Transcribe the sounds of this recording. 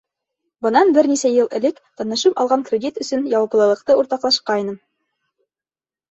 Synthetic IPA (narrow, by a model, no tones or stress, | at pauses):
bɤ̆nɑnbɘɾnisæjɤlˠɘ̆lɘkt̪ɑnɤ̆ʃɤpɑ̰lˠʁɑŋkrʲedʲit̪ɵ̆sɵnjɑwɑplˠɤ̆lˠɤ̆q̚t̪ɤuɾt̪ɑqlˠɑʃqɑjnɤm